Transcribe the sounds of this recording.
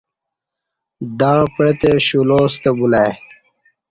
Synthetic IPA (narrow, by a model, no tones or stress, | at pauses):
d̪apɽet̪eɕuloːst̪ebulaj